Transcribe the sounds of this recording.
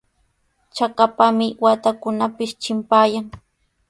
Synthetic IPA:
t͡ʃakapamɪwat̪akʊnapɪʃt͡ʃɪmpaːjaŋ

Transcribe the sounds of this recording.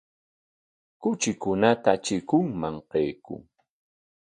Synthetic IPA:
kʊt͡ʃɪkʊnat̪at͡ʃɪkʊŋmaŋqejkʊ̰ŋ

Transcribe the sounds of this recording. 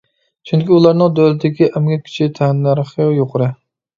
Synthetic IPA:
t͡ʃʰyŋkʲiulˠɑɾnɨŋd̪ølɪt̪ʰɪkʲiʔɛmɡʲɛkʲʰy̥t͡ʃʰit̪ʰɛnːæɾχəjoqʰʊɾɨ

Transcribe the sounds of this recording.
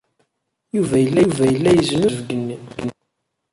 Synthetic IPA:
juvæjəlːævæjəlːæjəzmʊvɡniɡn

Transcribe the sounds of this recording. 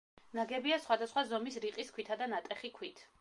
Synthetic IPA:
naɡɛbiasχwad̪asχwazɔmisɾiqʼiskʰwit̪ʰad̪anat̪ʼɛχikʰwit̪ʰ

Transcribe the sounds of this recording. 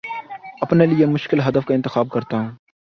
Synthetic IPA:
ɐpneliemʊʃkɪlɦɐd̪əfkaɪ̃nt̪ɪxaːb̚kɐɾt̪aɦũː

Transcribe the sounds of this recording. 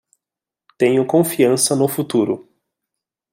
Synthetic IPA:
t̪ẽɲʊkõfiɐ̃sɐnʊfut̪uɾʊ

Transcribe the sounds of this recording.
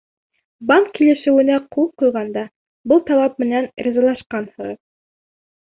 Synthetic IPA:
bɑŋkːilɘ̆ʃɘ̆wɘ̆næqʰulˠqujʁɑnd̪ɑ | bɤlˠt̪ɑlˠɑp̚mɘ̆nænɾʲizɑlˠɑʃqɑnhɤ̆ʁɤð

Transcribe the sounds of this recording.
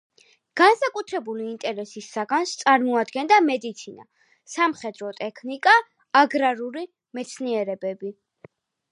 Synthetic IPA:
ɡ̥ansakʼut̪ʰɾɛbuliːnt̪ʼɛɾɛsisːaɡanst̪sʼaɾmɔad̪ɡɛnd̪amɛd̪it̪sʰina̰ | samχɛd̪ɾɔt̪ʼɛkʰnikʼaː | ɡɾaɾuli | mɛt̪sʰniɛɾɛbɛbi

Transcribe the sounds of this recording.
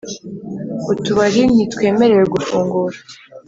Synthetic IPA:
utuβaɾin̥itwe̞ːme̞ɾe̞weɡufuːŋɡuɾa

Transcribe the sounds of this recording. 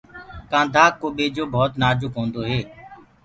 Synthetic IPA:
kãːnd̪ʱaːkːoːɓeːd͡ʒoːbʱɔːt̪naːd͡ʒʊkɦõːnd̪oːɦeː

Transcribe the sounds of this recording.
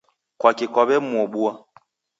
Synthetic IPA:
kwakikɔβɛmuɔɓua

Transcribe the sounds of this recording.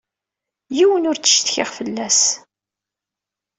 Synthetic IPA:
jiwənʊɾt͡sːə̥ʃt̪çɪʁfəlːæs

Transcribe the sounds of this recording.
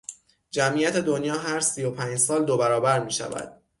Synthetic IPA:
d͡ʒæmʔiːjæt̪ʰe̞d̪onjɒːɦæɾsiːjo̞pʰæːɲd͡ʒsɒːld̪obæɾɒːbæɾmiːʃæ̰væ̰d̪̥̚

